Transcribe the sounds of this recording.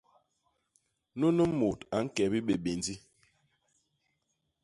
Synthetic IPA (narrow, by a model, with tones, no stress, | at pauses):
nu˦nə˦mo˨ta˨˦ŋ̩˦kɛ˨bi˦ɓe˨ɓe˨ndi˦